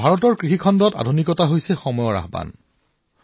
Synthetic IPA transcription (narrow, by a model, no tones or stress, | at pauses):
bʱaɹɔtɔɹkɹixikʰɔndɔta̰dʱunikɔtaɦojsɛxɔmɔjɔɹa̰ɦba̰n